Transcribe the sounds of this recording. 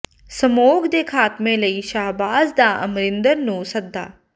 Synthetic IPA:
səmoːɡd̪eːkʰaːt̪mẽːləiːʃaːɦbaːzd̪aːʔə̰mɾɪ̃nd̪əɾnũːsəd̪ːa̰ː

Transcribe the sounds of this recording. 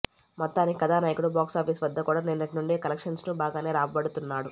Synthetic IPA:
mɔt̪ːaːniikɐd̪aːnaːjɐkuɽubaːksaːpʰiːsʋɐd̪ːɐkuːɽaːnenːɐʈinuɳɖeːkɐlɐkʂɐnsnubaːɡaːne̞ːɾaːpɐbɐɽut̪unːaːɽu

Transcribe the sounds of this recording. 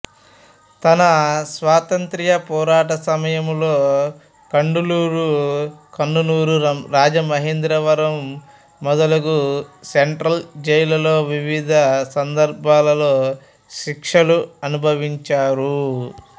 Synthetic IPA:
t̪ɐnɐsʋaːt̪ɐnt̪ɾijɐpɔːɾaːʈɐsɐmɐjɐmloː | kɐɳɖuluːɾukɐɳɖuluːɾuɾaːd͡ʒɐmɐɦeːnd̪ɾɐʋɐɾɐmː | ɔd̪ɐlɐkuseɳʈɾɐld͡ʒɐjlɐlo̞ːʋiʋid̪ʱɐsɐnd̪ɐɾbʱaːlɐlo̞ː | ʃikʂɐluɐnubʱɐʋiɲt͡ʃaːɾu

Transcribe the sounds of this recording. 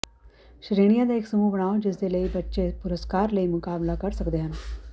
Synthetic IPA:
ʃɾeːɽ̃ijãd̪aeːksɐmubɐɽ̃aːod͡ʒɪs̬d̪eləibɐtːʃepʊɾəskaːɾləimʊkaːblakɐɾsɐkd̪eɦə̃n

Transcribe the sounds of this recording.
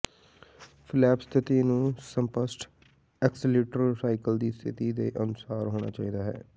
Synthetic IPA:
fʰlɛːpst̪ʰɪt̪iːnũːsəmpəsʈ | ɛksliːʈəɾsaːikəld̪iːst̪ʰɪt̪iːd̪eːʔənʊsaːɾɦoːɽ̃a̰ːt͡ʃa̰ːiːd̪aːɦɛ̰ː

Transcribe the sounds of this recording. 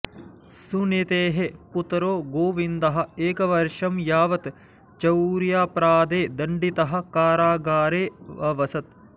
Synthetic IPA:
sunet̪eːɦeput̪ɾoːɡoːʋind̪ɐɦɐ̆eːkɐʋɐɾʂɐmjaːʋɐt̪ | t͡ʃɐwɾjaːpɾaːd̪eːd̪ɐɳɖit̪ɐɦɐ̆kaːɾaːɡaːɾeːʋɐʋɐsɐt̪̚

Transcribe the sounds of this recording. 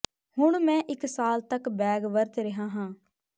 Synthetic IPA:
hʊɳmɛ̃ːʔɪksaːlt̪əkbɛːɡʋəɾt̪ɾəɦãːɦãː

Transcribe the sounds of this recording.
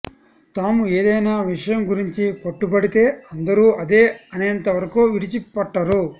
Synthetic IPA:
t̪aːmue̞ːd̪ɐjnaːʋiʂɐjɐmɡuɾiɲt͡ʃipɐʈːubɐɽit̪e̞ːɐnd̪ɐɾuːɐd̪e̞ːɐnent̪ɐʋɐɾɐkuʋiɽit͡ʃipɐʈːaɾu

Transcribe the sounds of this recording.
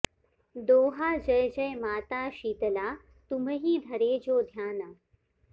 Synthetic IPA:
d̪oːɦaːd͡ʑəjd͡ʑɐjmaːt̪aːɕiːt̪laː | t̪uməɦiːd̪ʱɐɾeːd͡ʑoːd̪ʱjaːna

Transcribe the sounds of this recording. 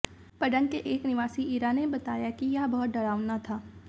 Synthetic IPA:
pɐɖə̃ŋɡkeʔeːknɪʋaːsiiːɾaːnebɐt̪aːjakijɐɦbɐɦʊt̪̚ɖɐɽaːʊnat̪ʰaː

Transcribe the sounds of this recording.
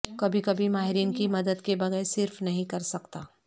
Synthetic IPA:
kɐbʱikɐbʱimaːɦɪɾiːnkimɐd̪əd̪kebɐɣɛːɾsɪɾfnɐɦĩkɐɾsɐkt̪aː

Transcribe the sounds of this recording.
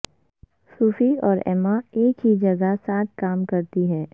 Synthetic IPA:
suːfiɔːɾɛ̰ːmaeːkɦid͡ʒɐɡasaːt̪̚ʰkaːmkɐɾt̪iɦɛː

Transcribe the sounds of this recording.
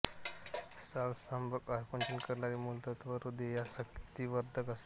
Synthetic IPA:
salst̪ambəkajkũnt͡ɕənkəɾɳaɾiːmult̪at̪ʋəɾud̪ejasəkt̪iːʋəɾd̪ʱəkəs

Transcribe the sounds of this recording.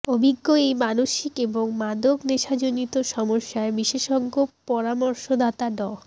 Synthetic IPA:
obʱiɡːoejmanoʃikeboŋmad̪okneʃad͡ʑonit̪oʃɔmoʃːaebiʃeʃɔɡːopɔɾamoɾʃod̪ʱat̪aɖɔ

